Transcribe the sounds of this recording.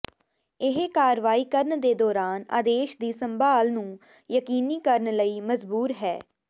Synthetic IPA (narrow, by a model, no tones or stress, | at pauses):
ɪɦkaːɾʋaːiːkəɾnd̪eːd̪ɔːɾaːna̰ːd̪eːʃd̪iːsəmbaːlnũː | jəkiːniːkəɾɳləiːməzbuːɾɦɛː